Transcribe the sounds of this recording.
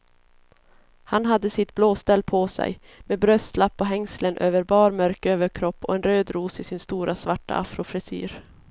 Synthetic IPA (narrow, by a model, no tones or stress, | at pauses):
hanɦad̪ːəsɪt̪bloːst̪ɛlːpʰɔsɛ̰j | meːbɾœst̪lapːɔɦɛŋslənʔøːvəɾbɑːɾmœɾkøːvəɾkʰɾɔpːɔ̰ɛnɾøːd̪ɾuːsɪsɪnst̪uːɾasvaʈːa̰ʔafɾʊfɾɪsy̰ːɾ